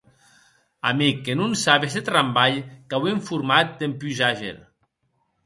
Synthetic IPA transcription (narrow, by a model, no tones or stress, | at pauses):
a̰mikːenunsaβezet̪ɾambaʎkaweɱfuɾmat̪̚d̪empyʒaʒḛɾ